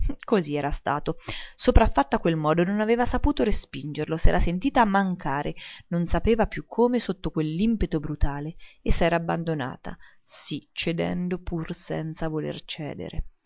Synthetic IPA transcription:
koziɛːɾast̪a̰ːt̪osopɾafːat̪ːakwelmɔːd̪ononaveːvasapuːt̪oɾespind͡ʒerlosɛːɾasent̪iːt̪aːmːaŋkaːɾʔenonsapeːvapjukʰːoːmesot̪ːokwelːimpet̪obɾut̪aːleesːɛːɾaːbːand̪ona̰ːt̪ʰa̰ | sit͡ʃːed̪ɛ̰nd̪opʰursɛ̰nt̪savolḛrt͡ʃɛ̰ːd̪ḛɾḛ

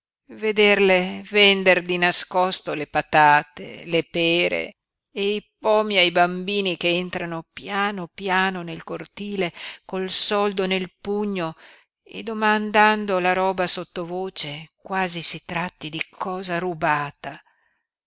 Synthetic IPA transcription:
ved̪erlevɛnd̪erd̪inaskɔst̪olepat̪aːt̪ḛlepɛːɾḛ | eipɔmiajbambiːnikeent̪ɾanopjaːnopjaːnonelkort̪iːlekolsɔld̪onelpuɲːo | ḛd̪omand̪and̪olaɾɔːbasot̪ːovoːt͡ʃekwaːzisit̪ɾat̪ːid̪ikʰɔːzaɾubaːt̪a

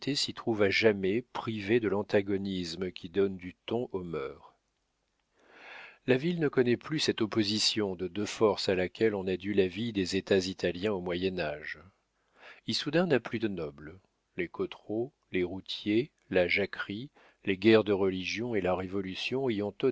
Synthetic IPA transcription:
t̪ʰesit̪χuvaʒamɛpχived̪əlɑ̃t̪aɡɔnisməkʲid̪ɔnd̪yt̪ɔ̃ʔomœːʁ | lavilnəkɔnɛplysɛt̪ɔpozisjɔ̃d̪əd̪øfɔʁsalakʰʲɛlɔ̃nad̪ylavid̪ezet̪azit̪aljɛ̃omwajɛnaʒ | ilsud̪ɛ̃naplyd̪ənɔbl | lekɔt̪χo | leʁut̪je | laʒakχi | leɡʲɛʁd̪əʁəliʒjɔ̃elaʁevɔlysjɔ̃ejɑ̃t̪o

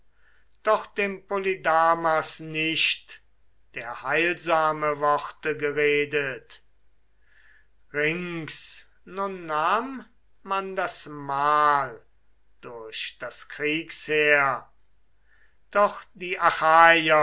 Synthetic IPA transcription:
d̥ɔχd̥eːmpolidaːmasnɪʃt | d̥eːɐhaɪlzaːməvɔχtəɡəʁeːdət | ʁɪŋs | nʊnːaːmː | andasmaːl | d̥ʊɐʃd̥askʁ̥iːksheːɐ | d̥ɔχd̥iːʔaxaːjɐ

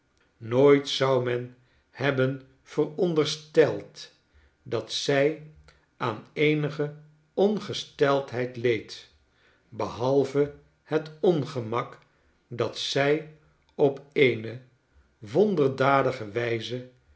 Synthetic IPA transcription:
noːjtsɑwmɛn | hɛbən | v̥ərɔndərstɛlˠt | dɑtsɛj | ʔaːnejnəχə | ɔnχəstɛlˠtɦɛjtlejt | bəɦɑlˠvə | hətɔnχəmɑk | dɑtsɛj | ɔpejnə | ʋɔndəɹdaːdəχəʋɛjzə

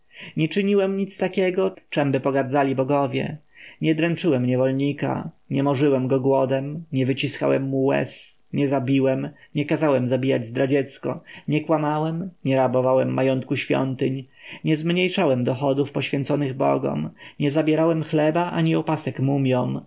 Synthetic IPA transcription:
ɲɛt͡ʂɘɲiwɛmɲit̪st̪akʲɛɡɔt͡ʂɛmbɘpɔɡaɾd̪zalʲibɔɡɔvʲjɛ̰ | ɲɛd̪ɾɛnt͡ʂɘwɛmɲɛvɔlɲika̰ | ɲɛmɔʐɘwɛmɡɔɡwɔd̪ɛmɲɛvɘt͡ɕiska̰wɛmːuwɛ̰sɲɛzabʲiwɛmɲɛkazawɛmzabʲijad͡ʑzd̪ɾad͡ʑɛt̪skɔ̰ɲɛkwamawɛmɲɛɾabɔvawɛmːajɔnt̪̚kuɕfʲjɔ̰nt̪ɘɲ | ɲɛzmɲejʂawɛmd̪ɔxɔd̪ufpɔɕfʲjɛnt̪sɔnɘɣbɔ̰ɡɔ̰mɲɛzabʲjɛɾawɛmxlɛbaʔaɲiɔpasɛkmumʲjɔm

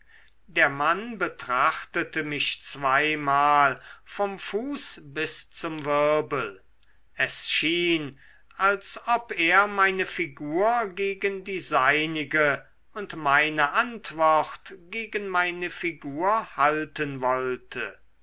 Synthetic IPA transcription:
deːɐmanbətʁ̥aχtətəmɪʃt͡sv̥aɪmaːlfɔmfuːsbɪst͡sʊmvɪʁɐbəl | ʔɛsʃiːn | alsɔpeːɐmaɪnəfiɡuːɐɡeːɡəndiːzaɪnɪɡə | ʊntmaɪnəʔantv̥ɔχtɡ̥eːɡənmaɪnəfiɡuːɐhaltənvɔltʰə

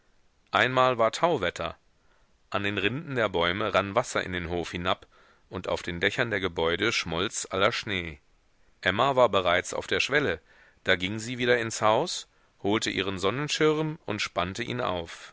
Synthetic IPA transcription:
ʔaɪnmaːlvaːɐtʰaʊvɛtʰɐ̰ | ʔandeːnʁɪndn̩deːɐbɔʏməʁanvasɐʔɪ̰ndeːnɦoːfhɪnap | ʔʊntʔa̰ʊfd̥eːndɛçɐndeːɐɡəbɔʏdəʃmɔlt͡sʔalɐʃneː | ʔɛmavaːɐbəʁaɪt͡sa̰ʊfd̥eːɐʃv̥ɛlə | d̥aːɡɪŋziːviːɾɐɪnshaʊs | hoːltəʔḭːʁ̞ənzɔnənʃɪʁmʊntʃpantəʔiːnʔa̰ʊf

